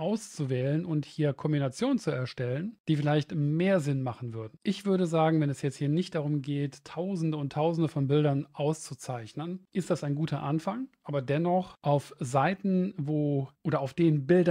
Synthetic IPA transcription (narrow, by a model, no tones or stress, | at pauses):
ʔaʊst͡suvɛːlənʔʊnthiːɐkʰɔmbinat͡sjoːnənt͡suɛɐʃtɛlənd̥iːfɪlaɪçtmeːɐzɪnmaχn̩vʏɐdn̩ʔɪçv̥ʏɐɾəzaːɡŋ̩vɛnɛsjɛt͡sthiːɐnɪçt̚d̥aʁ̞ʊmɡeːttʰːaʊzn̩dəʊntʰːaʊzn̩dəfɔnbɪldɐnʔaʊst͡sut͡saɪçnənʔɪstd̥asaɪnɡuːtʰɐʔanfaŋʔaːbɐdɛnɔχʔaʊfzaɪtn̩voːʔoːɾɐaʊfd̥eːnbɪldɐ